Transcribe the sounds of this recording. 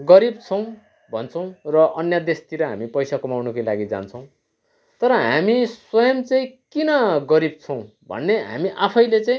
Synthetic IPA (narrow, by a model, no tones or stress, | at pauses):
ɡʌɾib̚t͡sʰʌw̃ | bʱʌ̰nt͡sʰʌw̃rʌʔʌnjʌd̪est̪iɾʌɦa̰mipʌjsakʌmawnʌkolaɡid͡za̰nt͡sʰʌ̃w̃ | t̪ʌɾʌɦamiswʌjʌmt͡saĩkinʌɡʌɾib̚t͡sʰʌ̃w̃ | bʱʌ̰nːeɦa̰miʔapʰʌjlet͡saĩ